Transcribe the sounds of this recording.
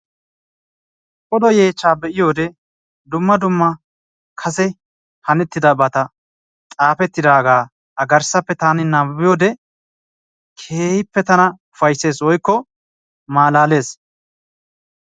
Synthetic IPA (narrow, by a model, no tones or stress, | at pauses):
ɔd̪ɔje̞ːt͡ʃːaːbɛʔɪjo̞ːd̪ɛ | d̪ʊmːɐd̪ʊmːɐ | kʰɐsɛ | hɐnɛt̪ːɪd̪ɐbɐt̪ɐ | t͡sʼaːpɛt̪ːɪd̪aːɡaː | ɐɡɐɾsɐpːɛt̪aːnɪnabɪjo̞ːd̪ɛ | kʰeːhɪpːɛt̪ɐnɐʊfɐjsːe̞ːs̬wɔjkːɔ | maːlaːle̞ːs